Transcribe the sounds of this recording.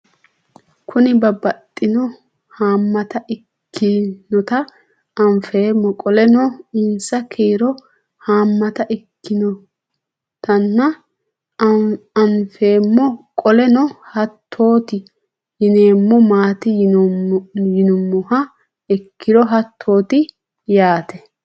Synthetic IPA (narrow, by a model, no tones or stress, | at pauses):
kʰʊnɪbɐbɐt̪ʼːɪnɔ | haːmːɐt̪ɐʔɪ | kʰːɪnɔt̪ɐː | mfeːmːɔkʼɔlɛnɔɪnsɐkʰeːɾɔ | haːmːɐt̪ɐʔɪkːɪnɔ | t̪ɐnːɐ | ɐnfe̞ːmːɔkʼɔlɛnɔhɐt̪ʰːo̞ːt̪ɪ | jɪne̞ːmːɔmaːt̪ɪ | jɪnʊmːɔhɐ | ɪkʰːɪd̪ɔɦɐt̪ʰːo̞ːt̪ɪ | jaːt̪ʰɛ